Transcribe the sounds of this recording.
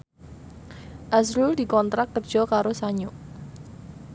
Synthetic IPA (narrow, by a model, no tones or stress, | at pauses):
ʔasɾuld̥ikɔnt̪ɾakkːərd̥ʒ̥ɔ̤kaɾosaɲʊʔ